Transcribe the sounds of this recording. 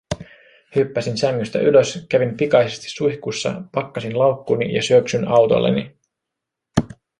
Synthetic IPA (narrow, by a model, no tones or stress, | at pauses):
hypːæsinsæŋːyst̪æ̰ʔyløskæʋimpikɑjsest̪i̥sːujçkusːɑ̰pɑkːɑsinlɑwkːuːnijɑsyøksynɑwt̪o̞̰lːḛni